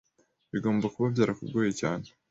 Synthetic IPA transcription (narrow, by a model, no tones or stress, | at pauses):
βiɡo̞ːmbakuβavɟaːɾakubɡoːjecaːne̥